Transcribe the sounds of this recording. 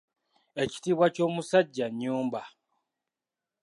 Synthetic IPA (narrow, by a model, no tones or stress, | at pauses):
e̞ci̥tiːβwaco̞ːmusaɟːaɲːuːmba